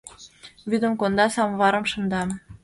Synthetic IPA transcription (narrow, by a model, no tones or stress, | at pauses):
βyd̪ə̆mkond̪ɑsɑmβɑɾə̆mʃɤ̆nd̪ɑ